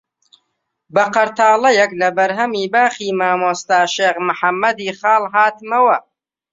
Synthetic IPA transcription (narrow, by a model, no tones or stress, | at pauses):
bɐqɐɾt̪ʰaːlɐjɐklɐbɐɾɦɐmiːbaːχiːmaːmoːst̪aːʃeːɣmʊħɐmːɐd̪iːxaːlɦaːt̪mɐwɐ